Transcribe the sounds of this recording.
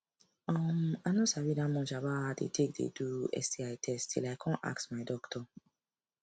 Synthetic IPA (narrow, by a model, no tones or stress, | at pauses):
ɔ̃mãnosawidãmʊ̃n̩d͡ʒabaadḛtʰek̚dḛduɛ̰sdiaɪtʰɛstḭlajkʰɔ̃nʔa̰ksmaɪdɔktʰɔ